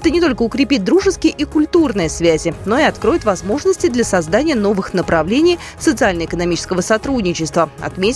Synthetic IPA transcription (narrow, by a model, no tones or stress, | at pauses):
ɛt̪ənʲɪt̪o̞lʲkəʊkɾʲɪpʲit̚ʲd̪ɾuʐɨskʲɪjəʔikʊlʲt̪urnɨjəsvʲæzʲɪno̞ɪɐt̪kɾo̞jɪt̪vɐzmo̞ʐnəsʲtʲɪd̪lʲɐsɐzd̪anʲɪjəno̞vɨxnəpɾɐvlʲenʲɪj | sət̪sɨalʲnəɪkənɐmʲit͡ɕɪskəvəsɐt̪ɾudʲnʲɪt͡ɕɪst̪vəɐ̰t̪mʲe